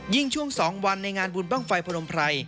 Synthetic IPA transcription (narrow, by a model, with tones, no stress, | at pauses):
ji˥˩ŋt͡ɕʰu˥˩əŋsɔː˩˦ŋwa˧nːa˧jŋaː˧nbuː˧nba˥˩ŋfa˧jpʰo˧ɾo˧mpʰɾa˧j